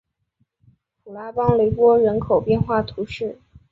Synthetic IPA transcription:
pʰu˨˩la˧˥pɑ˥ŋle˧˥ɪpwɔ˥ɻə˧˥nkʰo˨˩ʊpjɛ˥˧nxwa˥˩t̪ʰu˧˥ʂɻ̩˥˩

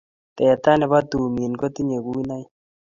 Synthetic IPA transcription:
t̪ɛ˨t̪a˦nɛ˨βa˦t̪u˨mi˨nko˦t̪i˦ɲe˨ku˦i˦na˦j

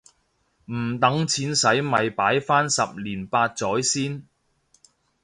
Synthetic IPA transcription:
m̩˨˩t̪ɐ˨˥ŋt͡sʰiː˨˥nsɐ˨˥jmɐ˨jpaː˨˥jfaː˥nsɐ˨p̚liː˨˩npaː˧t̚t͡sɔː˨˥jsiː˥n

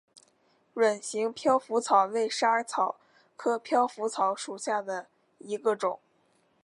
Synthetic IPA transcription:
ɻə˨˩nɕi˧˥ŋpʰjɑ˥ʊfu˧˥t͡sʰɑ˨˩ʊwe˥˩ɪʂa˥t͡sʰɑ˨˩˦ʊ | kʰɤ˥pʰjɑ˥ʊfu˧˥t͡sʰɑ˧˥ʊʂu˨˩ɕja˥˩d̪ə˩ | i˧˥ɡə˧ʈ͡ʂʊ˨˩˦ŋ

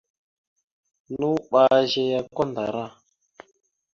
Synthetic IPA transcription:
nu˦ɓa˦ʒe˦ja˦ko˦nda˨ɾa˦˨

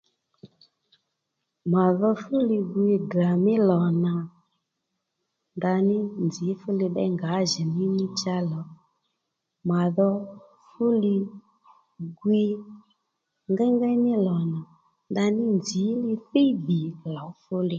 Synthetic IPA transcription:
ma˨ðɔ˧fʊ˦lɪ˧ɡwi˧dra˨mɪ˦lɔ˨na˨ | nda˧nɪ˦nd͡zi˨˦fʊ˦lɪ˧ɓɛ̰˦ŋɡa˨˦ʒɛ˨mɪ˦nɪ˦t͡ʃa˦lɔ˨˦ | ma˨ðɔ˧ | fʊ˦lɪ˧ | ɡwi˧ | ŋɡɛ˦ŋɡɛ˦nɪ˦lɔ˨na˨ | nda˧nɪ˦nd͡zi˨˦lɪ˧ɸe˦bi˨lɔ˨˦fʊ˦lɪ˦˨

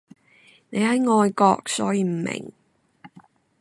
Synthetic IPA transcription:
ne˨˧jhɐ˨˥jŋɔː˨˧jkɔ̰ː˧k̚sɔ̰ː˨˥jiː˨˧m̩˨˩mɪ̰˨˩ŋ

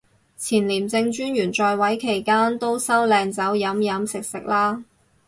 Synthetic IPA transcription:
t͡sʰiː˨˩nliː˨˩mt͡sɪ˧ŋt͡ʃyː˥njyː˨˩nt͡ʃɔː˧jwɐ˨˥jkʰe˨˩jkaː˥nt̪o˥wsɐ˥wlɛː˧ŋt͡sɐ˨˥wjɐ˨˥mjɐ˨˥msɪ˨k̚sɪ˨k̚laː˥

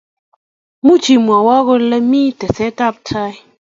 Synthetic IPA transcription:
mu˦t͡ʃi˨mwa˨wɔ˦ɣo˦le˦mi˦tɛ˨se˦ta˦˨p̚tʰa˦j

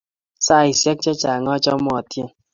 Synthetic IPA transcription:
saː˦˨i˨sjɛ˦k̚t͡ʃɔ˦t͡ʃa˨ŋɔ˦t͡ʃɔ˦mɔ˨tje˦˨

